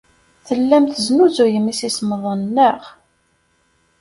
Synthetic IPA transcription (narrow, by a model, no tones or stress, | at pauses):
θəlːæmθəznuzujəmisisməðˤənːəʁ